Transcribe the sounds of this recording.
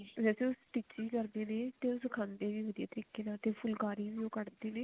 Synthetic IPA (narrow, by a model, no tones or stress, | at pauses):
ʋɛːseʊsʈiːt͡ʃiːkəɾd̪eːneːt̪eːʊskʰãːnd̪eːʋiːʋəd̪ija̰ːt̪əɾiːkeːnaːt̪eːpʰʊlkaːɾiːʋiːoːkəɽd̪eːnẽː